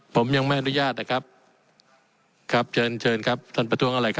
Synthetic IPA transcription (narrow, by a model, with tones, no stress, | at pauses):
pʰo˩˦mja˧ŋma˥˩jʔa˧nu˧jaː˥˩t̪̚na˧kʰa˦˥p̚ | kʰa˦˥p̚t͡ɕʰɤː˧nt͡ɕʰɤː˧nkʰa˦˥p̚t̪ʰaː˥˩npɾa˧t̪ʰu˦˥əŋʔa˧˩ɾa˧jkʰa˦˥